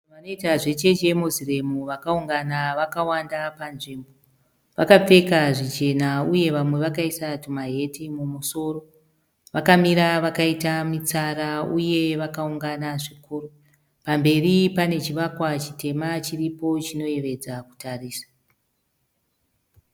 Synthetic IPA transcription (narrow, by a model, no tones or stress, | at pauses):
ʋano̞itaʐe̞t͡ʃe̞d͡ʒe̞muzire̞muʋakauŋɡanaʋakawandapanʐimbo | ʋakap͡fe̞kaʐit͡ʃe̞nauje̞ʋamwe̞ʋakaisatumaɦe̞timumuso̞ro̞ | ʋakamiɾaʋakaitamit͡saɾauje̞ʋakauŋɡanaʐikuːru | pambe̞ripane̞t͡ʃiʋakwat͡ʃi̥te̞mat͡ʃiripo̞t͡ʃino̞je̞ʋe̞d͡zaku̥tariːsḁ